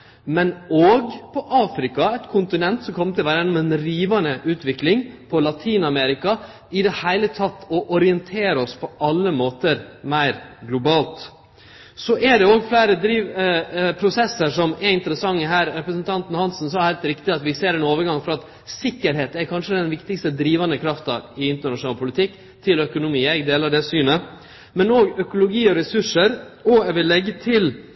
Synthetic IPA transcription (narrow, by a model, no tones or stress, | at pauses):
mɛnoːɡpʰɔʔɑːfɾɪkɑɛt̪kʰʊnt̪ɪnɛnt̪sɔmkʰɔmt̪ɪlʋæːɾəjɛnːɔmɛnɾiːʋɑnəʔʉːt̪ʋɪklɪŋpʰɔlɑt̪ʰiːnɑmɛɾɪkɑ | ɪd̪ɛhæɪlət̪ʰɑt̪ːɔʔɔɾɪɛnt̪ʰeːɾəɔspʰɔɑlːəmoːt̪əɾmæɪɾɡlʊbɑːlt̪ | sɔʔɛɖɛoːɡflæɪɾəd̪ɾiːʋpʰɾʊsɛsːəɾʂɔmɛɪnt̪əɾəsɑŋːəɦæːɾɾɛpɾəsənt̪ʰɑnt̪n̩hɑnsn̩sɔːhæɪlt̪ɾɪkt̪ɪɑt̪ʋɪseːɾɛnoːʋəɾɡɑŋfɔɾɔɑt̪ | sɪkːəɾɦeːt̪ɛɾkʰɑnʂəd̪ɛnʋɪkt̪ɪkst̪əd̪ɾiːʋɑnəkʰɾɑft̪ɑɪɪnt̪əɳɑʂʊnɑːlpʰʊlɪt̪ʰɪkː | t̪ʰɪlœkʊnʊmiːæɪɡd̪eːlɑd̪ɛsyːnə | mɛnoːɡœkʊlʊɡiːɔɾɛsʉʂəɾ | ɔɛʋɪlːɛɡːət̪ʰɪl